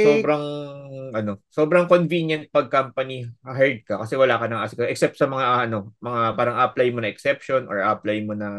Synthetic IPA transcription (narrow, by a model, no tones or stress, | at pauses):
soːbɾɐŋʔɐno̞so̞ːbɾɐŋkonvinjɐnt̪̚pɐɡ̚kampɐniɦɛɹd̪̚kɐkɐsɛwɐlaːkɐnɐŋasɪkɐʔɛk̚sɛp̚t̪sɐmɐŋaʔɐno̞mɐŋapaːɾɐŋʔɐplajmonɐʔɛksɛpʃo̞nʔɔ̰ɹʔa̰plajmonɐ